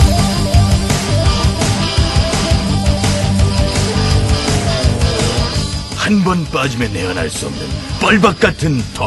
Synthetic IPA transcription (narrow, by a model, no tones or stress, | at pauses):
hanbʌnp͈ad͡ʑimeneʌna̰ɭs͈uʌmnɯ̰npʌɭbak̚k͈atʰɯntʰʌ